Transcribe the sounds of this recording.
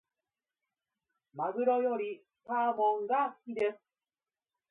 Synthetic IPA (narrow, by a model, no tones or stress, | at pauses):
maɡɯɾɔjoɾi | t̪amɔŋɡakid̪e